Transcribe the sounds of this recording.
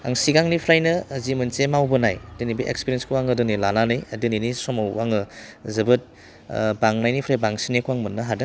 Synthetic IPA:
a̰ŋsiɡaŋnipʰɾajnɐzimɐnsemawbɯnajdɯnibiʔḛkspiɾienskʰuwaŋɯdɔnilananɯjɐdɯninisɔmawːaŋɯzɐbɯt̚ | baŋnajnipʰɾajbaŋsinekʰuwaŋmɐnːɐɦadɯ

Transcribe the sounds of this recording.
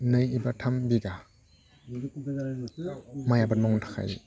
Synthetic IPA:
nɯjibatʰambiɡa | majabat̚nmɔŋtʰḁkʰa̰j

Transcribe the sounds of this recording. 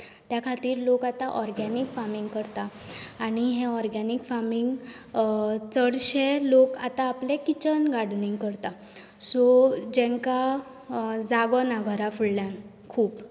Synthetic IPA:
t̪jakʰat̪iːɾlokat̪aʔɔɾɡanikfamiŋɡkəɾt̪aː | ñiɦɛ̃ɔɾɡanikfamiŋɡ | t͡səɽɕelokat̪aːplekit͡ɕənɡaɽniŋɡkəɾt̪a | sɔd͡ʑɛ̃ŋka | d͡zaɡɔnaɡʱəɾafuɽljãn | kʰuːp

